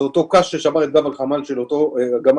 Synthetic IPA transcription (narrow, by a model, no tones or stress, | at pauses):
ot̪okaʃʃeʃamaʁet̪̚ɡavalχamalʃelot̪oɡama